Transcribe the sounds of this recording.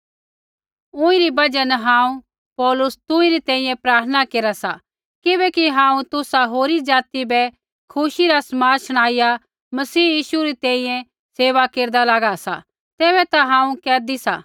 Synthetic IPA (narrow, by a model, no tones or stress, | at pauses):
ʊ̃ĩɾibɐd͡ʒənɦãːũ | pɔːlʊst̪ʊ̃ĩɾit̪ɛ̃ːĩjɛ̃pɾaːɾt̪ʰənakeːɾasa̰ | kɪbɛkiɦãːũt̪ʊsaɦoːɾid͡ʒaːt̪ibɛ | kʰʊʃiɾasmaːɾʃɐɽ̃aːija | mɐsiːjiːʃuɾit̪ɛ̃ːĩjɛ̃ | seːʋakeːɾd̪alaɡasa̰ | t̪eːbɛt̪aɦãːũkɛːd̪isa̰